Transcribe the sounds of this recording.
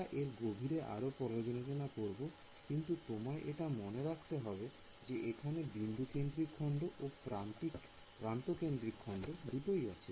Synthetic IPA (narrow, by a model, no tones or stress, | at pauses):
aʔeɾɡobʱiɾeʔa̰ɾopɔɾojod͡ʑonotonakoɾbo | kint̪ut̪omaeʔeʈamoneɾakʰt̪eɦɔbe | d͡ʑeʔekʰanebind̪ʱukend̪ɾikʰːɔɳɖoʔopɾantik | pɾant̪okend̪ɾikʰːɔɳɖod̪uʈoia̰t͡ɕʰe